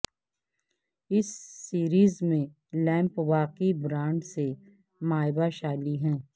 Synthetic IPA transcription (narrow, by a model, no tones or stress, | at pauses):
ɪsːiːɾiːzmẽ | lɛ̃ːmpʋaːqibɾãːɳɖse | maːɪbaʃaːliɦɛ̃ː